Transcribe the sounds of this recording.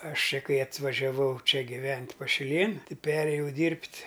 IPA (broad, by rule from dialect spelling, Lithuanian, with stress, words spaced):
ˈɐʃ ˈt͡ʃʲɛ ˈkɐɪ ɐtʋɐʒʲɛˈʋɐʊ ˈt͡ʃʲɛ ɡʲɪˈʋʲɛnʲtʲ pɐʃʲɪˈlʲeːn ˈtʲɪ ˈpʲæːrʲeːjɛʊ ˈdʲiːrʲpʲtʲ